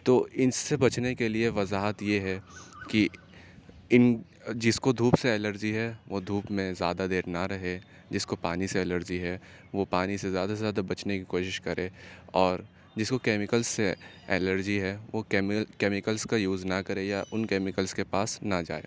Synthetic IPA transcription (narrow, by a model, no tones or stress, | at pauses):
t̪oːɪnːebɐt͡ʃnekelieʋɐzaːɦət̪jeɦɛki | ɪn | d͡ʒɪskod̪ʱuːpseɛːləɾd͡ʒiɦɛʋod̪ʱuːpmẽzjaːd̪ad̪eːɾnaɾɐɦe | d͡ʒɪskopaːniseɛləɾd͡ʒiɦɛʋopaːnisezjaːd̪asezjaːd̪abɐt͡ʃnekikoːʃɪʃkɐɾʔẽːɔːɾ | d͡ʒɪskokɛːmɪkəlsse | ɛːləɾd͡ʒiɦɛʋokɛmkeːmɪkəlskajuːznɐkɐɾẽjaʔʊnkɛːmɪkəlskepaːsnad͡ʒa̰ːḛː